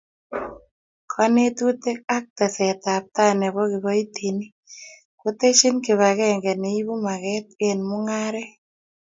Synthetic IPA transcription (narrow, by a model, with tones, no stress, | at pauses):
kʰɔ˦ne˦t̪u˦t̪e˦k̚a˦k̚t̪ɛ˨sɛ˨t̪a˨p̚t̪a˦nɛ˨βɔ˦ɡɪ˨bɔ˦i˦t̪i˨ni˦ | ko˦t̪e˦ʃi˦nkɪ˨βa˨ɡɛ˦ŋɡɛ˨ne˨i˦bu˦ma˨ɡɛ˦t̪̚ɡe˦˨nmʊ˦ŋa˦ɾɛ˦